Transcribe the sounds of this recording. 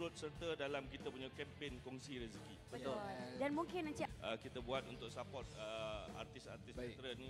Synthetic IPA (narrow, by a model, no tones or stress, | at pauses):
ɾʊt̪̚sərt̪ədalamkit̪apuɲakɛmpenkɔŋsiɾizikibət̪odanmũŋkɪnant͡ʃiʔəkit̪abuat̪unt̪ʊksapɔrt̪̚əa̰rt̪ɪsa̰rt̪isat̪ɾənĩ